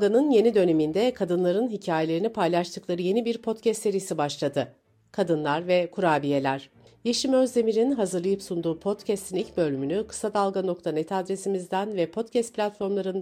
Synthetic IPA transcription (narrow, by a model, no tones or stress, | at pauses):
ɡanɯnje̞nid̪ø̞ne̞mind̪ɛkʰad̪ɯnlˠaɾɯnɦicʰaːje̞lʲe̞ɾinipʰajlˠaʃt̪ʰɯklˠaɾɯje̞nibiɾpʰo̞t̪cʰɛst̪ːe̞ɾiisibaʃlˠad̪ɯ | kʰad̪ɯnlˠaɾvɛkʰuɾaːbije̞lʲæɾ̥ | jeʃimø̞zd̪e̞miɾinɦazɯɾlˠajɯpsund̪uːpʰo̞t̪cʰɛst̪ʰinilʲcbø̞lʲymynykʰɯ̥sad̪alˠɡano̞k̚t̪ʰanɛt̪ʰad̪ɾe̞simizd̪ænvɛpʰo̞t̪cʰɛst̪̚pʰʲlʲat̪fo̞ɾmlˠaɾɯn